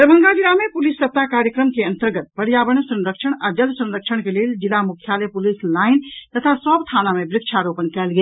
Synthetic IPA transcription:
pɾəbʱəŋɡad͡ʒiɾamepulisːəp̚t̪akaɾjəkɾəmkeənt̪əɾɡət̪̚bəɽjabəñsə̃nɾəkt͡ʃʰəɽ̃ad͡ʒəlsə̃nɾək̚t͡ʃʰəɽ̃keleld͡ʒilamukʰjalepulislaɪnt̪ət̪ʰasəbt̪ʰanamebɾɪkt͡ʃʰaɾopənkɛːlɡe

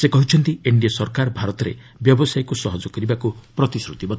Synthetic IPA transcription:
sekɔɦut͡ʃʰɔnt̪ieɳɖiɔsɔɾkaɾɔbʱaɾɔt̪ɔɾe | bjɔbɔsajkusɔɦɔd͡ʒɔkɔɾibakupɾɔt̪isɾut̪ibɔt̪

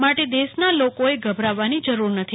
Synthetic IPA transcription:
maʈed̪esnalokoeɡʱəbʱɾaʋːanid͡ʒəɾuɾnət̪ʰi

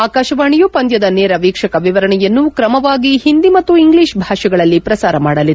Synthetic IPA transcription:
aːkaːʃɐʋaːɳijupɐnd̪jɐd̪ɐnɛːɾɐʋiːkʂɐkɐʋiʋɐɾɐɳɛjɐnːukɾɐmɐʋaːɡiɦind̪imɐt̪ːuiŋɡliːʃbʱaːʂɐɡɐɭɐlːipɾɐsaːɾɐmaːɽɐlid̪

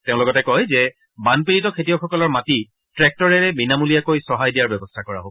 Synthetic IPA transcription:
teʊ̃lɔɡɔtɛkɔjzɛ | banpiɹitɔkʰetijɔxɔkɔlɔɹmati | tɹɛk̚tɔɹɛɹɛbinamulijakojsɔɦajdijaɹbɛbɔstʰakɔɹa̰ɦob

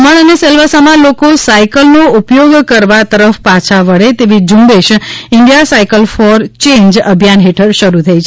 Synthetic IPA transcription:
məɳənesəlʋasamãlokosaikəlnoupjoɡkəɾʋat̪əɾəfpat͡ʃʰaʋəɭet̪eʋid͡ʒũmbeʃɪɳɖijasaikəlfɔɾt͡ʃẽɲd͡ʒəbʱjanɦeʈʰəɾʃəɾut̪ʰəit͡ʃʰ

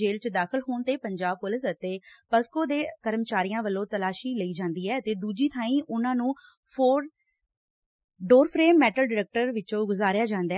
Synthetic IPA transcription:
eːlt͡ʃd̪aːkʰəlɦoːnt̪eːpəɲd͡ʒaːb̚pʊlɪsət̪eːpəskoːd̪eːkəɾəmt͡ʃaːɾijãːʋəlːõːt̪əlaːʃiːləiːd͡ʒãːnd̪iːɛːt̪eːd̪uːd͡ʒiːt̪ʰaːĩːʔʊnãːnũː | pʰoːɾ | ɖoːɾpʰɾeːmːɛːʈəlɖɪɾɛːk̚ʈəɾʋɪt͡ʃõːɡʊzaːɾjaːd͡ʒãːnd̪aː

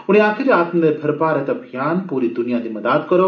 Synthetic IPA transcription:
uñĩaːkʰiɾiaːt̪mɐlet̪ʰɐɾpaɾɐt̪ɐbʱijaːnpuːɾid̪unijad̪imɐd̪at̪̚kʌɾo

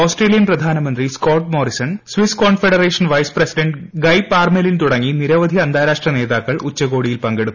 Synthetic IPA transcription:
oːsʈreːlijɐnprɐd̪ʱaːnɐmɐnd̪riskoːʈmo̞ːɾisɐnsʋiskoːɳfeɽɐreːʂɐnʋɐjsprɐsiɖeɳʈɡɐjpːaːrmelint̪uɽɐŋːiniɾɐʋɐd̪ʱiɐnd̪aːɾaːʂʈrɐne̞ːðaːkːɐɭut͡ɕːɐɣo̞ːɽijilpɐŋɡe̞ɽut̪ː

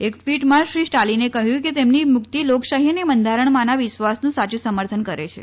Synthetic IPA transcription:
ekfiʈmãʃɾiʃʈalinekəɦjũket̪emnimʊkt̪ilokʃaɦinemənd̪ʱaɾəɳmãnaʋɪʃʋasnũsat͡ʃusəməɾt̪ʰənkəɾḛt͡ʃʰḛ

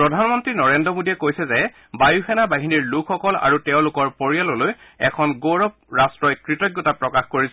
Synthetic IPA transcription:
pɹɔdʱanmɔntɹinɔɹendɹɔmodiɛkojsɛzɛ | bajuxɛnabaɦiniɹlukʰxɔkɔla̰ɹutɛʊ̃lʊkɔɹpoɹijalɔlojɛ̰kʰɔnɡoɹɔp̚ɹastɹɔjkɹitɔɡjɔtapɹɔkaxkoɹisɛ

